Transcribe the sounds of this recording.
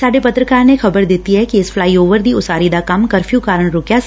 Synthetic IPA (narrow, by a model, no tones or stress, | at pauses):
saːɖepɐt̪ɾəkaːɾnexɐbəɾd̪eːt̪iɦɛkiɪsflaːioːʋəɾd̪ʱiʊsaːɾid̪akɐmkɐɾfʰjukaːɾəɽ̃ɳ̃ɾoːkja